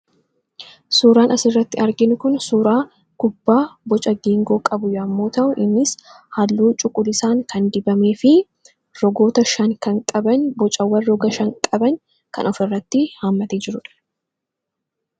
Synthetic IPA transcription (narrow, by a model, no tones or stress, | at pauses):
suːɾaːnʔɐsɪrːɐt̪ːɪɐɾɡɪnʊkʊnsuːɾaː | kʊbːaːbɔt͡ʃʼɐɡiːŋɡo̞ːkʼɐbʊjɔɐmːo̞ːt̪ɐʔʊʔɪnːɪs | hɐlːuːt͡ʃʼʊkʼːʊlɪsaːŋkɐnd̪ɪbɐme̞ːfɪ | ɾɔɡo̞ːt̪ɐʃɐŋkɐŋkʼɐbɐnbɔt͡ʃʼɐwːɐrːɔɡɐʃɐŋkʼɐbɐŋ | kɐ̰nɔfɪrːɐt̪ːɪhɐmːɐt̪eːd͡ʒɪɾʊᶑɐ̥